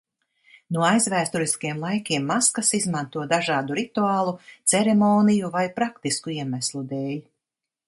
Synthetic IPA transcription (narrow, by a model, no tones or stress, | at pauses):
nuɔajzvæːst̪uɾiskjɛmlˠajkʲiɛmːaskasizmant̪uɔd̪aʒɑːd̪uɾit̪uaːlˠut̪sɛɾemɔːnijuvajpɾakt̪iskuiɛmæslˠud̪eːlʲ